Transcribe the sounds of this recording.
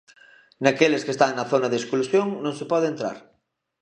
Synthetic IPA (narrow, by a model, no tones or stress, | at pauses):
nakelɪskest̪aŋnɐθonɐðesklusjoŋnõŋsɪpɔðeent̪ɾa̰ɾ